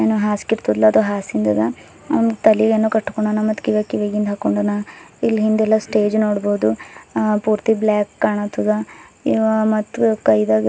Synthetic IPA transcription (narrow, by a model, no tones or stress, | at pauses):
eːnuɦaːskiɾt̪ud̪lɐːd̪oɦaːsind̪ɐd̪a | ɐ̰ʋnɡt̪ɐliɡenːoːkɐʈːkoɳɖaːnamɐt̪ːkiɡakiʋeɡind̪ɦakoɳɖaːnailːɦind̪ɛlːɐsʈe̞ːd͡ʒnoːɽboːd̪upuːɾt̪iblaːkːaːɳɐt̪ud̪ɐiʋmɐt̪ːukɐjd̪aɡ